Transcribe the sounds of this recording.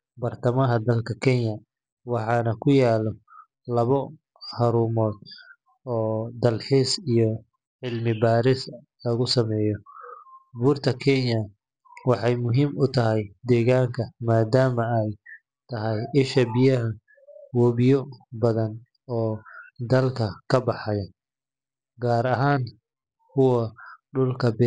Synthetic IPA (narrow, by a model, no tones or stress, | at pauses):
bɐrt̪ʰɐmɐɦɐd̪ɐlkʰɐkʰɛnjɐ | wɑħɑːnɐkʰʊjaːlɔ | lɐβɔ | hɐɾuːmɔːd̪̚ | ɔːd̪ɐlħiːsijɔ | ʕɪlmɪbaːɾɪs | lɐɣʊsɐmɛːjɔ | buːrt̪ʰɐkʰɛnjɐ | wɑħɑjmʊɦiːmʊt̪ʰɐɦɛjd̪ɛːɣaːŋkʰɐmaːd̪aːmɐɛj | t̪ʰɐɦɛjɪʃɐbɪjɐɦɐ | wɔːβɪjɔbɐðɐn | ɔːd̪ɐlkʰɐkʰɐbɑħɑjɐ | ɡaːɾɐɦaːŋ | kʰʊwɐɖʊlkʰɐbɛ